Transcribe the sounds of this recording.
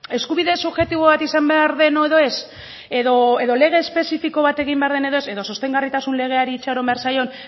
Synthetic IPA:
e̞skuβiðe̞suβʝe̞t̪iβo̞βat̪isambeaɾðe̞noeðo̞e̞s | eðo̞e̞ðo̞le̞ɣ̞e̞ːspe̞sifiko̞βat̪e̞ɣimbe̞aɾðene̞ðo̞e̞se̞ðo̞sost̪e̞ŋɡarit̪asunle̞ɣ̞e̞aɾiːt͡ʃaɾo̞mbe̞aɾsajo̞n

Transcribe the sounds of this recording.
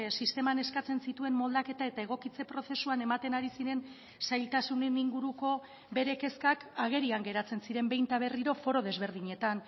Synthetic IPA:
sist̪e̞mane̞skat͡se̞nsit̪ue̞mmo̞ld̪ake̞t̪ae̞t̪ae̞ɣ̞o̞kit͡se̞pɾo̞se̞suane̞mat̪e̞naɾisiɾe̞n | sajlt̪asune̞niŋɡuɾuko̞ | be̞ɾe̞ke̞skakaɣ̞e̞ɾiaŋɡe̞ɾat͡se̞nsiɾe̞mbe̞jnt̪aβ̞e̞riɾo̞fo̞ɾoðe̞zβe̞ɾð̞iɲe̞t̪an

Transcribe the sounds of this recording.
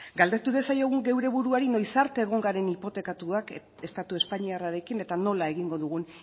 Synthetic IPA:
ɡald̪e̞t̪uðe̞sajo̞ɣ̞uŋɡe̞wɾe̞βuɾuaɾino̞jsaɾt̪e̞ːɣ̞o̞ŋɡaɾe̞nipo̞t̪e̞kat̪uak | e̞st̪at̪ue̞spaɲiaraɾe̞kine̞t̪ano̞lae̞ɣiŋɡo̞ðuɣun

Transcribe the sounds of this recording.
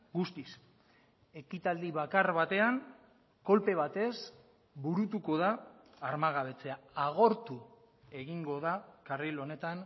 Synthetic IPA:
ɡust̪is | e̞kit̪ald̪iβakaɾβat̪e̞aŋ | ko̞lpe̞β̞at̪e̞s | buɾut̪uko̞ðaː | ɾmaɣ̞aβ̞e̞t͡se̞aaɣ̞o̞ɾt̪u | e̞ɣiŋɡo̞ðakarilo̞ne̞t̪an

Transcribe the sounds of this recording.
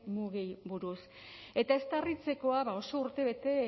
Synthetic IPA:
muɣiβuɾus | e̞t̪ae̞st̪arit͡se̞ko̞aβao̞so̞uɾt̪e̞βe̞t̪e̞

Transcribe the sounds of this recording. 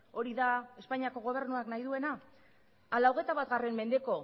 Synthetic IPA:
o̞ɾiðae̞spaɲiako̞ɣ̞o̞β̞e̞ɾnuaknajðue̞naː | lawɣ̞e̞t̪aβat̪ɣare̞mme̞nd̪e̞ko̞

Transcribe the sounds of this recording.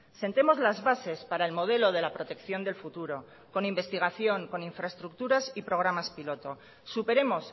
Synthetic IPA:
se̞nt̪e̞mo̞zlazβase̞spaɾaelmo̞ð̞e̞lo̞ð̞e̞lapɾo̞t̪e̞kθjo̞nd̪e̞lfut̪uɾo̞ | ko̞nimbe̞st̪iɣaθjo̞ŋko̞niɱfɾaest̪ɾuk̚t̪uɾasipɾo̞ɣ̞ɾamaspilo̞t̪o̞ | supe̞ɾe̞mo̞s

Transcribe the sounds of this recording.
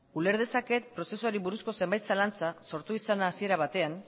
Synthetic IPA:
ule̞ɾð̞e̞sake̞t̪̚pɾo̞se̞suaɾiβuɾusko̞se̞mbajt̪salant͡saso̞ɾt̪uisanaːsie̞ɾaβ̞at̪e̞an

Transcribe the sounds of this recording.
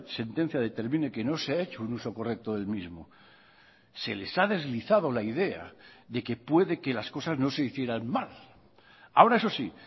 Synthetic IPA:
se̞nt̪e̞n̟θjaðe̞t̪e̞ɾmĩne̞ke̞no̞seae̞t͡ʃounuso̞ko̞re̞k̚t̪o̞ðe̞lmizmo | se̞̰le̞saðe̞zliθað̞o̞laiðe̞a̰ðe̞ke̞pwe̞ðe̞ke̞lasko̞sazno̞se̞iθje̞ɾanmal | a̰o̞ɾaeso̞si

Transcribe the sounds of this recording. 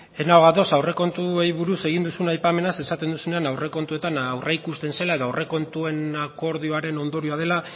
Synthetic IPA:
e̞naoɣaðo̞sawre̞ko̞nt̪ue̞jβuɾuse̞ɣ̞ind̪usunajpame̞nase̞sat̪e̞nd̪usune̞anawre̞ko̞nt̪ue̞t̪anwrʔeikust̪e̞nse̞laeðoawrʔe̞ko̞nt̪ue̞nako̞ɾð̞ioaɾe̞no̞nd̪o̞ɾioað̞e̞la

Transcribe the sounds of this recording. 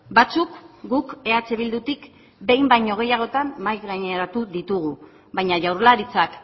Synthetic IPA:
bat͡sukɡuke̞at͡se̞β̞ild̪ut̪ik | be̞jmbajɲo̞ɣ̞e̞jaɣ̞o̞t̪amːajɣaɲeɾat̪uðit̪uɣ̞u | βajɲaʝawɾlaɾit͡sak

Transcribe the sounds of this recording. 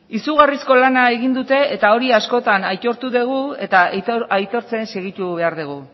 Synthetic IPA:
isuɣarisko̞lanae̞ɣind̪ut̪e̞et̪ao̞ɾiasko̞t̪anajt̪o̞ɾt̪uðeɣ̞ue̞t̪aajt̪o̞ɾt͡se̞nse̞ɣ̞it̪uβ̞e̞aɾðuɣ̞u

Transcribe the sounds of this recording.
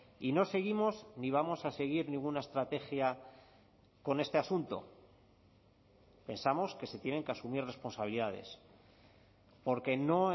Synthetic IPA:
ino̞se̞ɣ̞imo̞zniβ̞amo̞sase̞ɣ̞iɾnĩŋɡunae̞st̪ɾat̪e̞xja | ko̞ne̞st̪easunt̪o̰ | pe̞nsamo̞ske̞se̞t̪je̞ne̞ŋke̞asumiɾre̞spo̞nsaβiliðað̞e̞̰s | po̞ɾke̞no̞

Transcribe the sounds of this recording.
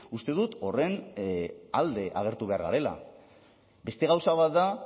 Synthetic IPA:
ust̪e̞ðut̪o̞re̞n | ald̪e̞ʔa̰ɣ̞e̞ɾt̪uβe̞aɾɣa̰ɾe̞la̰ | be̞st̪e̞ɣ̞awsaβat̪d̪a

